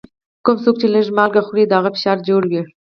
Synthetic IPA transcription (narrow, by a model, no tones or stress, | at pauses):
kʊmsok̚t͡ʃeləʒmɑlɡaxɾid̪əaɣafɪ̥ʃɑɾd͡ʒoɽwi